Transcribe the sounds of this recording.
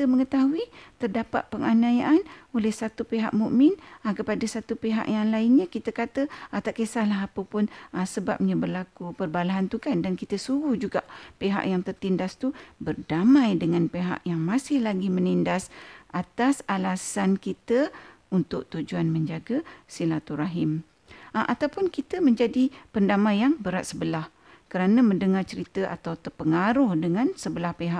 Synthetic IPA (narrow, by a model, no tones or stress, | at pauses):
t̪əməŋət̪aɦuit̪ərdapa̰t̪̚pəŋanajaʔanolɛhsat̪upeɦa̰ʔmuʔmɪnakəpadəsat̪upeɦa̰ʔjaŋlaɪnɲakit̪əkat̪əat̪aʔkesahlaɦapəpʊnəsəba̰p̚ɲəbərlakupərbalaɦant̪ukandankit̪əsuɡuhd͡ʒuɡa̰ʔpeɦa̰ʔjaŋt̪ərt̪indast̪ubərdamãjdəŋanpeɦa̰ʔjaŋmãsɪhlaɡimənindasʔat̪asalasankit̪ə | unt̪ʊʔ̚t̪ud͡ʒuanmə̃ɲd͡ʒaɡəsilat̪uɾaɦɪm | ʔat̪awpʊnkit̪əmə̃ɲd͡ʒadipəndamãjaŋbəɾat̪̚səbəlah | kəɾanãmə̃ndəŋart͡ʃəɾit̪əʔa̰t̪awt̪ərpəŋaɾʊhdəŋãnsəbəlahpeɦaʔ